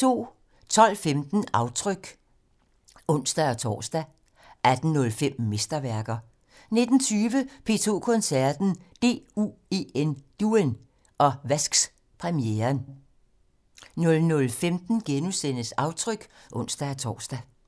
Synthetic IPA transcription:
t͡sʰo̝̰ː | t͡sʰɒ̽l̰femd̥n̩ɑ̈ʊt͡sʰʁœɡ̥ | ɔ̽n̰sd̥æɒt͡sʰɒ̰ːsd̥æ | ʔæd̥n̩nːɔ̽lfem̰me̝sd̥ɐʋæɐɡ̥ɐ | ne̝d̥n̩t͡sʰyːʋəpʰe̝̰ːt͡sʰo̝̰ːkʰɔ̽nsæɐd̥n̩d̥e̝̰ːṵe̝end̥uen | ʔɒ̽ʋæsɡ̥s | pʰʁɛmieːɐn | nɔ̽lnɔ̽lfemd̥n̩ɡ̥enusen̰əsɑ̈ʊt͡sʰʁœɡ̥ʔɔ̽n̰sd̥æɒt͡sʰɒ̰ːsd̥æ

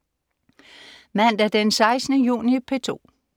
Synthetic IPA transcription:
mæn̰d̥æɐd̥ensɑ̈ɪsnəjṵːnipʰet͡sʰo̝̰ː

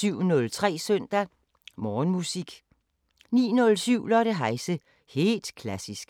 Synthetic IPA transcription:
yʊ̰nɔ̽lt͡sʰʁɛ̰ːsœn̰d̥æ | mɒːnmusiɡ̥ | nḭːnɔ̽lsyʊ̰lɒɾ̥eɦɑ̈ɪsə | he̝̰ːld̥kʰlæsisɡ̥

